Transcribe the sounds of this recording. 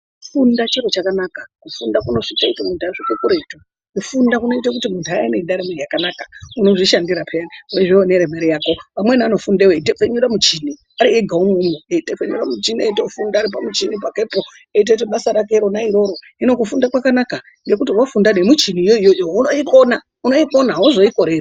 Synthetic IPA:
fundat͡ʃeɾot͡ʃakanakakufundakuno̞ʐitaitemuntaʐikekuɾeto | kufundakuno̞it̬akutimuntuaineiɗaɾemerijakanakḁuno̞ʐiʃandiɾapʰeaniueʐeoneɾemeɾijaːko̞pamweniano̞fundeweitefeɲuɾamut͡ʃini | aɾieɡʱaumumeeitefeɲṵramut͡ʃinieitoufundaːɾipamut͡ʃinipake̞po | eit̬et̬eɓasaɾakeɾo̞naiɾo̞ɾo̞ | ino̞kufundakwakanaka | ŋɡe̞k̬utiwafundanemut͡ʃinijoijojounoiko̞na | uno̞iko̞naozo̞iko̞ɾera

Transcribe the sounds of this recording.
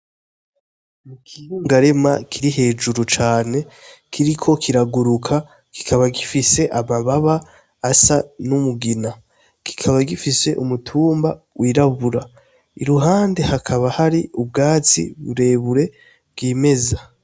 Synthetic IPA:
mukʰijuːŋɡaɾe̞ma̰kʰiɾiɦe̞ːʒuɾut͡ʃaːne̞kʰiɾikʰo̞kʰiɾaɡuɾukʰa | ki̥kʰaβaɡifise̞ʔamaβaβaː | sanumuɡina | ki̥kʰaβaɡifise̞ʔumutʰuːmba | wʔiːɾaβuɾa | ḭɾuɦaːnde̞hakʰaβahaɾiub̚ɡaːt͡sḭβuɾe̞ːβuɾe̞ | bɡiːme̞za

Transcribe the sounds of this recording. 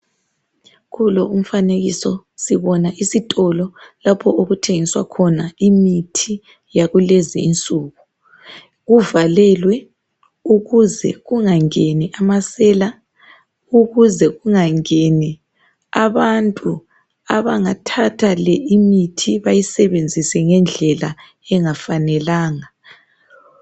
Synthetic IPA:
ɣʰulɔum̩faneɣisɔ | siβɔnaʔisitʼɔlɔlapʰɔoɣutʰeŋiswa̰kʰɔnaimitʰi | jaɣuleziːnt͡sʼuɣu | ɣuvalɛlwɛ | uɣuzɛ̰ɣuŋaŋeniʔamasɛːla | uɣuzɛɣuŋaŋeni | aβantʼu | aβaŋatʰatʰalɛimitʰiβajisɛβend͡zʱisɛŋɛnd͡ɮʱɛla | ɛŋafanɛlaːŋa

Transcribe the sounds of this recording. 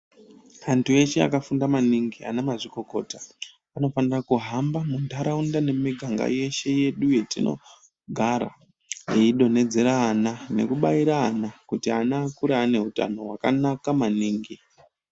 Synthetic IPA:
antue̞ʃe̞a̰kafundamaniŋɡia̰namaʐiko̞ko̞ːta | ano̞fanirakuɦambamundaɾaundane̞miɡʱaŋɡa̰je̞ʃe̞je̞ɗuje̞tino̞̰ | ɡʱaɾa̰ | jeiɗo̞ne̞d͡ze̞ɾaːnane̞̰kuɓaiɾaːnakutianaːkuɾaːne̞ɦuta̰no̞ɦwa̰ka̰nakamaniːŋɡi

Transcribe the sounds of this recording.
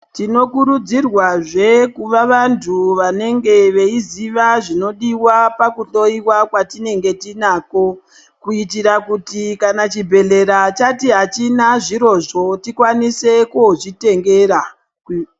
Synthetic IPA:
tino̞kuɾud͡zirwaʐe̞kuʋaʋantʰuʋane̞ŋɡe̞ʋe̞iziʋaʐino̞ɗiwapakuɬo̞iwakwatine̞ŋɡe̞tinaːko̞ | kuitiɾakutikanat͡ʃibʱe̞le̞ɾat͡ʃatiɦat͡ʃinaʐiɾo̞ʐo̞tikwanise̞koʐite̞ŋɡe̞ɾa

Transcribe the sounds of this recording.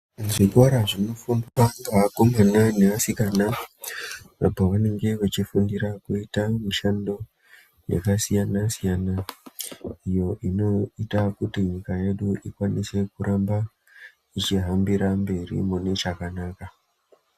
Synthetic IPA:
ʐikwaɾaʐino̞fumbaŋaako̞mananeʋasikana | apoʋane̞ŋɡe̞ʋet͡ʃifundiɾakuitamiʃando̞ | jḛkasijanasijana | ijo̞ʔino̞itakutiɲikaje̞ɗuʔikwanise̞kuɾʔamba | it͡ʃiɦambiɾambe̞rḭmune̞t͡ʃakanaka

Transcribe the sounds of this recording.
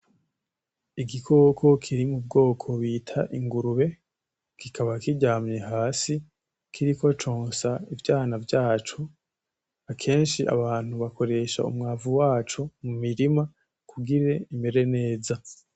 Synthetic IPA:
iɡikʰo̞ːkʰo̞kʰiɾimub̚ɡo̞ːkʰo̞βiːtʰa̰ʔiŋɡuɾuβe̞ | kikʰaβakiɟaːmɲe̞ɦaːsi | kʰiɾikot͡ʃoːnsaivjaːnavjaːt͡ʃo̞ | akʰe̞ːnʃiʔa̰βaːn̥huβako̞ɾe̞ʃa̰ṵmŋaːvuwaːt͡ʃo̞mumiɾima | kʰuɡiɾe̞ime̞ɾe̞ne̞ːza

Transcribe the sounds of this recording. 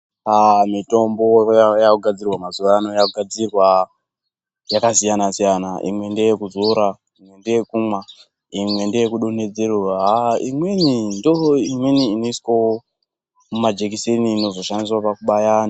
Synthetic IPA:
amito̞mbo̞jakuɡʱad͡zirwamazuʋaanojakuɡʱad͡zirwa | jakasijanasijanaʔḭmwe̞ndejekuzuɾa | imwe̞ndejekumwa | imwe̞ndejekuɗone̞d͡zeroɦaimwenindoimweniːnoiswo | mumad͡ʒekiseniːno̞zo̞ʃandis̬wapakuɓajaːna

